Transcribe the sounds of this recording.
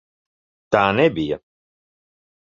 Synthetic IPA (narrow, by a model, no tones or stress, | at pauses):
t̪aːnɛbijɐ̰